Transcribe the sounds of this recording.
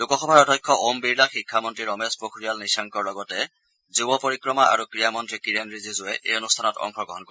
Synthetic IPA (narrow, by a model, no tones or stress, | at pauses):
lukɔxɔbʱaɹɔdʱɔjkʰːɔʔombiɹlaxikʰːamɔntɹiɹɔmespɹokʰɹijalnisaŋkɔɹlɔɡɔtɛ | zubɔpoɹikɹɔmaa̰ɹukɹijamɔntɹikiɹanɹizizʊɛʔeonustʰanɔtɔ̰ŋkʰɔɡɔɦɔnkɔɛ